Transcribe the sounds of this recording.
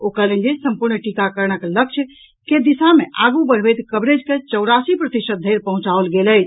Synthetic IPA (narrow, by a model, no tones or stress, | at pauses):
okəɾlə̃nd͡ʒesəmpuɾnʈikakəɾnəklək̚t͡ʃʰ | ked̪isameʔaɡubəɽ̤bəjt̪kəbɾed͡ʒket͡ʃəwɾasipɾət̪isət̪̚d̪ʱəjɾpəɦũt͡ʃaolɡeləjt͡ʃʰ